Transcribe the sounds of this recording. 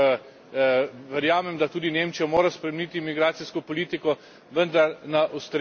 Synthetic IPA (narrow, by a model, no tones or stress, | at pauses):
ʋɛɾjaːmɛmd̪at̪uːd̪ineːmt͡ʃijamoːɾaspɾɛmniːt̪imiɡɾaːt̪siskɔpɔliːt̪ikɔ | ʋənd̪aɾnaʔɐwst̪ɾ